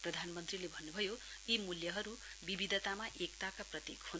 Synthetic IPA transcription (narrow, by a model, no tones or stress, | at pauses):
prʌd̪ʱanmʌnt̪rilebʱʌnːubʱʌjo | imuljʌɦʌɾu | bibid̪ʱʌt̪amaʔekt̪akaprʌt̪jekhun